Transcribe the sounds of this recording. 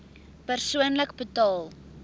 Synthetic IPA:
pərsuənləkbətɑːlˠ

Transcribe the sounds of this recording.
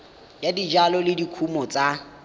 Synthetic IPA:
jadid͡ʒalɔlɪdikʰumɔt͡sʼa

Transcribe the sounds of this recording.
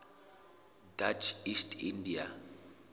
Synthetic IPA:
dat͡ʃʰistʰindia

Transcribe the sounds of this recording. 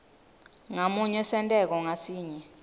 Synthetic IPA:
ŋamuɲɛsɛntʼɛk̬ɔŋasiːɲɛ

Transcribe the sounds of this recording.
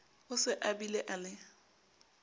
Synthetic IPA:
ʊsɪʔabileʔalɪ

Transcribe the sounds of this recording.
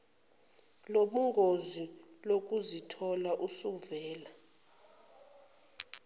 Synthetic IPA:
loɓuŋɡʱozilok̬ʼuzitʰɔlaʔusuvɛːla

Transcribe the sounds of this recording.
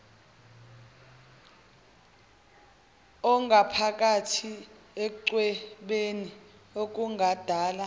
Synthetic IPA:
ɔŋɡʱapʰak̬ʼatʰi | ek̬uǀwɛɓeni | ok̬ʼuŋʱad̥ʱaːla

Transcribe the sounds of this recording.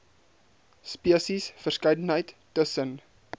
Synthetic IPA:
spiəsisfərskəjdənɦəjtːəsən

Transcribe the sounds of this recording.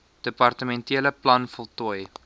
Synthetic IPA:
d̥əpɐrtəmɛntiələplɐnfəlˠtuəj

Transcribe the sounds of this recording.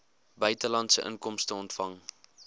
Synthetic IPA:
bœɥtəlɐntsəʔə̰ŋkɔmstəɔntfɐŋ

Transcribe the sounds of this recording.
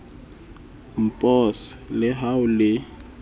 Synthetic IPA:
m̩pʼɔslɛɦawʊlɪ

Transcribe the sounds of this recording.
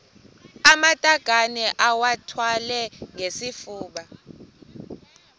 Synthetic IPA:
amatʼaɡ̥ʱanɛʔawatʰwalɛŋesifuːɓa

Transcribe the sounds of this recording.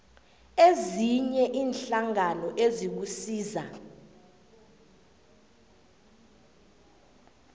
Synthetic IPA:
eziɲɛʔiːnɬaŋanɔʔezik̬usiːza

